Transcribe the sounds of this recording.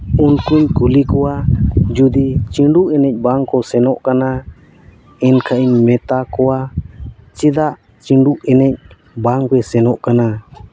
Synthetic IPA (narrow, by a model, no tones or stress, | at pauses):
unkuɲkulikɔwad͡ʒud̪it͡ʃiɳɖuʔɛnɛc̚ˀbaŋkɔsɛnɔʔkana | ɛnkʰaʔiɲmɛt̪akɔwa | t͡ʃɛd̪aʔ | t͡ʃiɳɖuʔɛnɛc̚ | baŋbɛsɛnɔʔkana